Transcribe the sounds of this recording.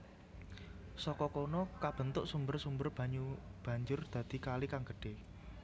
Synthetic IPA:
sɔkɔkɔnɔkab̥ə̤nt̪ʊʔsumbərsumbərb̥ä̤ɲub̥ä̤ɲd͡ʒʊrd̪̥ä̤d̪̥i̤kalikaŋɡə̥ɖ̥ɪh

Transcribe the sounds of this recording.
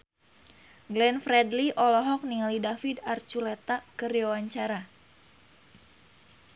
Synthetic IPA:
ɡlɛnfɾɛdliʔɔlɔɦɔk̚niŋalidafidart͡ʃulɛt̪akɨɾiawaɲt͡ʃaɾa

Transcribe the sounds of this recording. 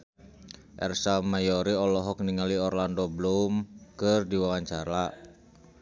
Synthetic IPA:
ʔɛ̰rsamajɔɾiɔlɔɦɔkniŋaliɔrlandɔblumkɨrdiwawaɲt͡ʃaɾa

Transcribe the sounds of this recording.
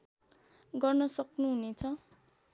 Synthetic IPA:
ɡʌrnʌsʌknuɦunet͡sʰʌ

